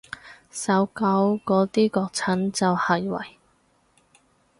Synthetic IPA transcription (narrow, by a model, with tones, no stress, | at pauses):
sɐ˨˥wkɐ˨˥wkɔː˨˧˥t̪iː˥kɔː˧k̚t͡sʰɐ˨˥nt͡sɐ˨whɐ˨˩jwɐ̰˨˩j